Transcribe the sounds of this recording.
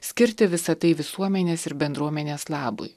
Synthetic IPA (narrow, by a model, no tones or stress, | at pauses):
sʲkʲɪɾʲt̪ʲɪʋʲɪsɐt̪ɐɪʋʲɪsuɔmʲɛnʲeːsɪɾbʲɛnd̪ɾuɔmʲɛnʲeːslˠɑːbʊ̰ɪ